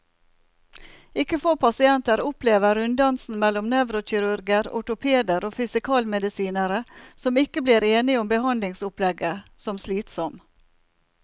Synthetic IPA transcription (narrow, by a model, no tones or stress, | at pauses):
ɪkːəfoːpʰɑsɪɛnt̪əɾʊpleːʋəɾʉnd̪ɑnsn̩mɛlːɔmnɛʋɾʊçɪɾʉɾɡəɾɔ̰ʈʊpʰeːd̪əɾoːfʏsɪkʰɑːlmɛd̪ɪsiːnəɾəsɔmɪkəbliːɾeːnɪʊmbəhɑnd̪lɪŋsʊplɛɡəsɔmsliːt̪sɔm